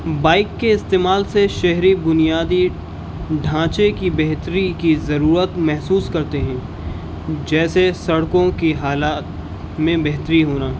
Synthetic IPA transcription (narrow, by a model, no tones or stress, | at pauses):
baːɪkːeɪst̪eːmaːlseʃɛɦɾibʊnijaːd̪i | ɖʱãːt͡ʃekibɛɦt̪ɾikizɐɾuːɾət̪mɛɦsuːskɐɾt̪eɦɛ̃ː | d͡ʒɛːsesɐɽkõkiɦaːlaːt̪ | mẽbɛɦt̪ɾiɦoːnaːɦ